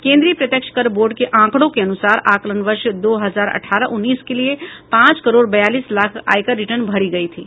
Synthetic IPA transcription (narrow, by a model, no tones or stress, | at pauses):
kẽːnd̪ɾipɾət̪jəkʃkəɾboːɾɖkeʔãːkɽõkeɐnʊsaːɾaːklənʋəɾʃd̪oːɦəzaːɾɐ̰ʈʰaːɾəʔʊnːiːskeliepãːt͡ʃkəɾoːɽbɐjaːliːslaːkʰa̰ːjkəɾɪʈəɾnbʱɐɽiɡɐit̪ʰiː